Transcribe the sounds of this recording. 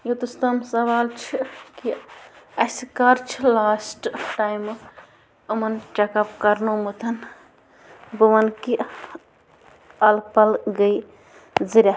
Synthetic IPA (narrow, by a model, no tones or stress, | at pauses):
jot̪ust̪ɐmsɐʋaːlt͡ʃʰikiɐskɐɾt͡ʃʰilaːsʈʈaːjm | ɐmɐnt͡ʃɐkɐpkɐɾnomɨt̪ʰɐn | bɨʋɐnki | ɐlpɐlɡəj | ziɾʲa